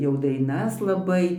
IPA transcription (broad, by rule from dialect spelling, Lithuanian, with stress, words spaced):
jɛʊ dɐɪˈnɐs lˠɐˈbɐɪ